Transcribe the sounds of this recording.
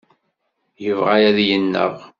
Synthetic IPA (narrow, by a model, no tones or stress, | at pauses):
jəvʁajæðjənːə̰ʁ